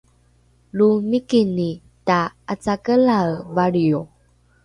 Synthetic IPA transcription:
lumikini | taat͡sakəlalvaɾio

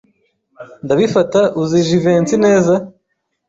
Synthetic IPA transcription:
ndaβifataʔuziʒiveːnt͡sine̞ːza

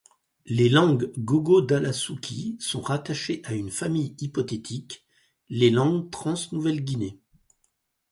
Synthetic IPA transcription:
lelɑ̃ɡɡoɡod̪alasukʲʰisɔ̃ʁat̪aʃeʔaynfamijipɔt̪et̪ʰik | lelɑ̃ɡt̪χɑ̃snuvɛlɡʲine

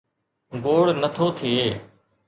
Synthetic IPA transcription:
ɡoːɽnət̪ʰoːt̪ʰieː

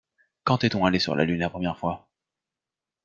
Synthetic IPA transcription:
kɑ̃t̪ɛt̪ɔ̃alesy̰ʁlʔa̰lynlapχɔmjɛʁfwa

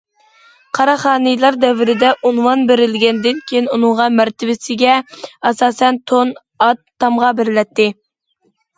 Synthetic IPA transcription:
qʰɑɾɑχɑːnɨjlˠɑɾd̪ɛvɪɾɪd̪ɛʔunwɑnbeɾɪlɡʲɛnd̪ɪnkʲʰejinunɨŋʁɑmæɾt̪ʰɪvɪsɪɡʲɛɑsɑːsɛnt̪ʰon | ɑt̪ʰːɑmʁɑbɪɾlɛt̪ʰːɪ

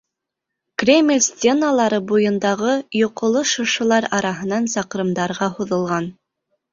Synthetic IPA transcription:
krʲemʲlʲsʲt̪ʲenalˠɑɾɤbujɤ̆nd̪ɑʁɤjoqŏlˠɤʃŏʃɤ̆lˠɑɾɑɾɑɦɤ̆nɑnsɑqɤ̆ɾɤ̆md̪ɑɾʁɑhuðɤ̆lˠʁɑn

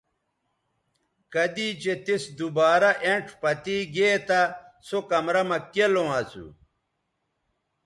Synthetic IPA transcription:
kɐd̪it͡ɕet̪isd̪ubaːɾɐʔeɳʈʰpɐt̪iːɡeːt̪asokɐmɾɐmɐkelõɐsṵ

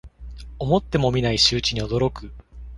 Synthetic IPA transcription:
o̞mo̞t̪ːe̞mo̞mʲinaiɕɨːt͡ɕiɲ̟io̞d̪o̞ɾo̞kɯ

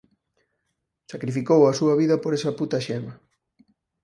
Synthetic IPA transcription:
sakɾifikowɐsuɐβiðɐpoɾesɐput̪ɐʃɛmɐ

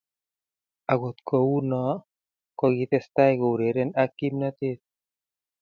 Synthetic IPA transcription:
aɡot̪kounɔ | koɡit̪est̪ajɡowɾeɾenakimnat̪et̪̚

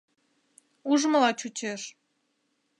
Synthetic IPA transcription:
uʒməlɑt͡ɕut͡ɕeʃ

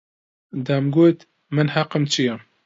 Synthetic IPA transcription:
d̪amɡoːt̪ | mɨnhɐqɨmt͡ʃʰijɛ

